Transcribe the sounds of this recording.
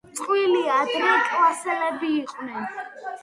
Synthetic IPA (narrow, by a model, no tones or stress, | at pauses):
sʼqʼwiliad̪ɾipʼlasɛlɛbiːqʼwnɛn